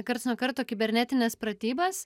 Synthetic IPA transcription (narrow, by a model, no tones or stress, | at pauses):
kɐɾt̪snuɔkɐɾt̪oːkʲɪbʲɛɾʲnʲɛt̪ʲɪnʲɛspɾɐt̪ʲiːbɐs